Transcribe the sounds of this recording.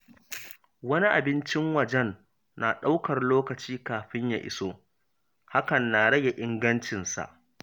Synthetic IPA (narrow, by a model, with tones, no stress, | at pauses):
wɐ˦ni˦ʔa̰˨bɪ˦nt͡ʃɪ˦ŋwɐ˨d͡ʒɛ˦nː | a˨ɗa˦wkɐ˨rloː˦kɐ˨t͡ʃiː˦kaː˨ɸɪ˦ɲja̰˨ʔɪ̰˦so˦ | ha˦kɐ˨nːa˨ɽɐ˦ɡa˨ʔɪ˦ŋɡɐ˦nt͡ʃɪ˨nsa̰˨ʔ